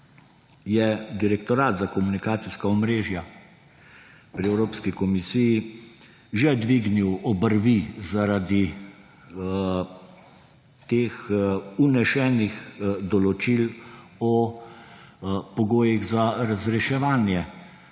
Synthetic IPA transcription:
jɛd̪iɾɛkt̪ɔɾaːd̪zakɔmunikaːt̪siskaɔmɾeːʒja | pɾiɛwɾoːpskikɔmisiji | ʒɛd̪ʋiɡniwɔbəɾʋizaɾad̪i | t̪eːxunɛʃɛːnixd̪ɔlɔt͡ʃilɔ | pɔɡoːjiɣzaɾazɾɛʃɛʋaːnjɛ

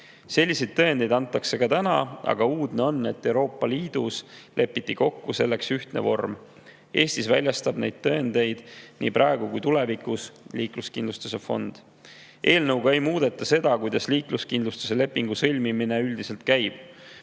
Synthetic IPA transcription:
se̞lʲːise̞jd̪̚t̪ːøend̪̥e̞jd̪ɑnt̪ːˑɑkse̞kɑt̪ænɑ̰ɑ̰ɡ̥ɑuːd̪̥neo̞nːe̞t̪ːe̞wɾo̞ːpːˑɑliːd̪̥uslʔe̞pːˑit̪ːiko̞kːuse̞lːe̞ksyht̪nevo̞rm | e̞ːsʲt̪isvælʲjɑst̪ɑb̥ne̞jd̪̥̚t̪ø̞end̪̥e̞jd̪̥nḭːpɾʔɑe̞ɡ̥ukujt̪ule̞vikusliːkluskind̪lust̪u̥se̞fo̞̰nd̪̥ | ʔe̞ːlnɤwɡ̥ɑe̞jmuːd̪̥e̞t̪ːˑɑse̞d̪̥ɑkujd̪̥ɑsliːkluskind̪lust̪u̥se̞le̞pːiŋɡ̥usɤlʲmimine̞yld̪iselt̪̚kæjb̥

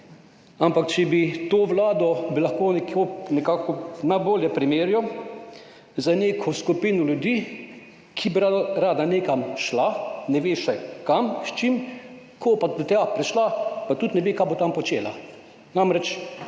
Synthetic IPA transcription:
ampakt͡ʃɛbit̪oːʋlaːd̪ɔbilaxkoːnɛkonɛkaːkɔnajboːljɛpɾimeːɾjɔ | zaneːkʰɔskupiːnɔljud̪iː | kʰibiɾaɾaːd̪aneːkamʃlanɛʋeʃɛjkamst͡ʃim | kʰopad̪ɔt̪japɾɛʃlapat̪ut̪nɛʋekabot̪ampɔt͡ʃeːla̰ | namɾɛt͡ʃ

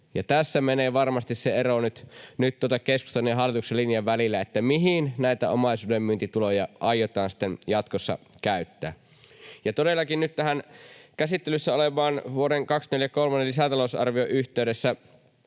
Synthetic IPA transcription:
jɑt̪æsːæmeneːʋɑrmɑst̪isseeɾonyt̪nyt̪t̪ːuot̪ɑkeskust̪ɑnːujɑɦɑlːˑit̪ukselːinjɑʋʋælilːæet̪ːæmiɦinnæit̪æo̰mɑˑisuːdemːyːnt̪it̪ulojɑʔɑjot̪ɑːnsi̥t̪ːenjɑt̪kosːɑ̰kæyt̪ːæː | jɑt̪odelːɑkinnyt̪t̪æɦænkæsit̪ːelysːæolemˑɑːnʋuoɾeŋkɑksmeljækolmɑnelisæt̪ɑlousɑ̰rʋioʔyçt̪eydesːæ

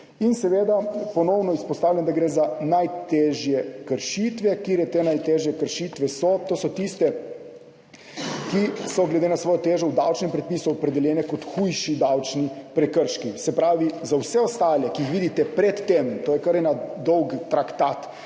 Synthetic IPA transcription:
insɛʋeːd̪apɔnɔwnɔispɔst̪aːwlʲjand̪aɡɾeːzanajt̪eʒjɛkəɾʃit̪ʋɛkiːɾjɛt̪enajt̪eːʒjɛkəɾʃit̪ʋɛsɔt̪oːsɔt̪ist̪ɛ | kisɔɡlɛd̪enasʋɔːjɔt̪eːʒɔwd̪awt͡ʃnɛmpɾɛt̪̚piːsuɔpɾɛd̪ɛljɛːnɛkɔt̪xujʃid̪awt͡ʃnipɾɛkəɾʃkisɛpɾaːʋizawsɛɔst̪aːljɛkiixʋiːd̪it̪ɛpɾɛt̪ːemt̪oːjɛkəɾɛnad̪ɔwɡt̪ɾakt̪at̪

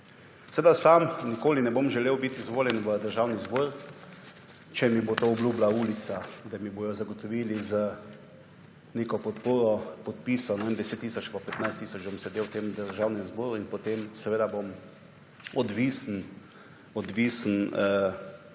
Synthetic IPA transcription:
sɛʋed̪asamnikoːlinɛbomʒɛleːwbit̪izʋoːljɛnʋəd̪əɾʒawnizboɾ | t͡ʃɛmibot̪oːɔbluːblauːlit̪sad̪amiboːjɔzaɡɔt̪ɔʋiːlizə | neːkɔpɔt̪poːɾɔpɔt̪̚piːsɔnɔʋend̪ɛset̪ːisɔt͡ʃpɔpɛt̪najst̪ːiːsɔt͡ʃd̪bomsɛd̪eːwt̪emd̪əɾʒawnɛnzboːɾuinpɔt̪emsɛʋeːd̪abom | ɔd̪ʋiːsn | ɔd̪ʋiːsənə

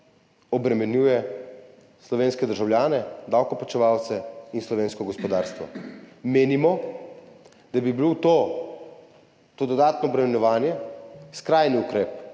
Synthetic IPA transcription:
ɔbɾɛmɛnjuːjɛ | slɔʋeːnskɛd̪əɾʒawlʲjaːnɛd̪awkɔpat͡ʃɛʋawt̪sɛinslɔʋeːnskɔɡɔspɔd̪aːɾst̪ʋɔ̰meːnimɔ | d̪̥abibilot̪o | t̪oːd̪ɔd̪aːt̪nɔːbɾɛmɛnjɔʋaːnjɛskɾajniukɾeːp

